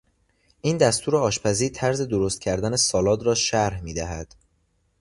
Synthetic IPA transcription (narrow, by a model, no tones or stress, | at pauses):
ʔiːnd̪æst̪ʰuːɾeɒːʃpʰæziːɾt̪ʰæɾze̞d̪oɾost̪̚cʰæɾd̪ænesɒːlɒːd̪ɾɒːʃæɾhmiːd̪æɦæd̪̥